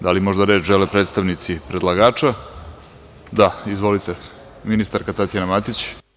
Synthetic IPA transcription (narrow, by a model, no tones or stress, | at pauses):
d̪alimo̞ʒd̪aɾe̞ːt͡ʃʒelepɾed̪st̪aʋnit̪sipɾed̪lˠaɡaːt͡ʃa | d̪aizʋo̞lit̪e | minist̪aɾkat̪at̪janamat̪it͡ɕ